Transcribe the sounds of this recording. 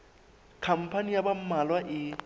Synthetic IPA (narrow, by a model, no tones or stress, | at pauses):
kʰam̩pʰanijabam̩malwaʔɪ